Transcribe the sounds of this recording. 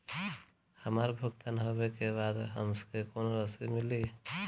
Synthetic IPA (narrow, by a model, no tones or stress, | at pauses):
həmaɾbʱəɡt̪anɦobekebad̪ɦəmskekonoɾəsimili